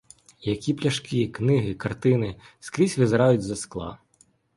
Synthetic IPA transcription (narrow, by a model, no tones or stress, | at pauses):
jɐkʲiplʲɐʃkɪknɪɦɪkɐrt̪ɪnɪskɾʲisʲʋɪzɾɑjʊtʲzɐsklˠɑ̰